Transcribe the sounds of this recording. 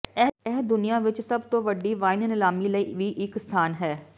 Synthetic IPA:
ɛɛːd̪ʊnɪjãːʋɪt͡ʃsəbt̪õːʋəɖːiːʋaːɪnnɪlaːmiːləiːʋiːʔɪkst̪ʰaːnɦɛː

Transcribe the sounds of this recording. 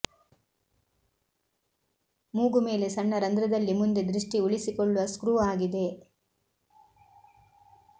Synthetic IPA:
muːɡume̞ːle̞sɐɳːɐɾɐnd̪ɾɐd̪ɐlːimund̪e̞d̪ɾiʂʈiuɭisikɔɭːuʋɐskɾuːaːɡid̪e̞

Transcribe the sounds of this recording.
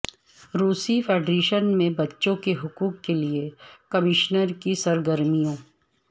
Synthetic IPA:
ɾuːsifʰeːɖɾeːʃənmẽbɐtːʃõkeɦʊkuːkːeliekɐmɪʃnəɾkisɐɾɡəɾmijõː

